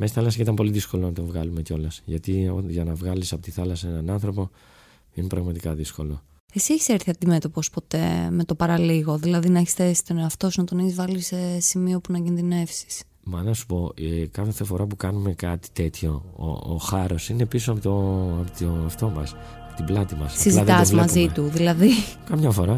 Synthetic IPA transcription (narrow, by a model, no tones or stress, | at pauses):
mst̪iθɐlɐsɐit̪ɐmpo̞liðiskolo̞nɐt̪ovɣɐlume̞ceo̞lɐsʝɐt̪ioʝɐnɐvɣɐlisɐpo̞t̪iθɐlɐsɐenɐnɐnθɾo̞po̞ | ine̞pɾɐɣmɐt̪ikɐðisko̞lo̞ | esieçi̥seɾθiɐd̪ime̞t̪o̞po̞spo̞t̪e̞̰me̞t̪o̞pɐɾɐliɣo̞ðilɐðinɐeçe̥sθesi̥t̪onɾɐft̪o̞sunɐt̪o̞neçizvɐlisesimio̞punɐcinðine̞fsi̥s | mɐnɐsu̥po̞kɐθefθefo̞ɾɐpukɐnume̞kɐt̪i̥t̪e̞t̪ço̞o̰ːxɐɾo̞sinepissptopot̪oɐft̪o̞mɐs | ɐot̪iblɐt̪imɐssiziɐt̪ɐzmɐzit̪uðilɐðikɐmɲɐfo̞ɾɐ